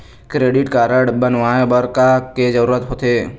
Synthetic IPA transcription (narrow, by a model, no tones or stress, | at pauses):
kɾeːɖɪʈkaːɾəɽbənʋaːebəɾkaked͡ʒəɾuːɾət̪ɦoːt̪eː